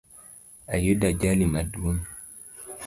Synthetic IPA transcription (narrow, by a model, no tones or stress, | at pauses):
ajudad͡ʒalimaduon